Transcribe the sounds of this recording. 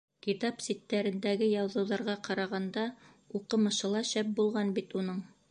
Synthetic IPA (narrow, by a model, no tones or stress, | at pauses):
kit̪apsʲit̪ːæɾɘ̆nd̪æɡɘjɑwðɤ̆wðɑɾʁɑqɑɾɑʁɑnd̪ɑ | uqɤ̆mɤ̆ʃɤ̆lˠɑʃæp̚bulˠʁɑnbit̪unɤɴ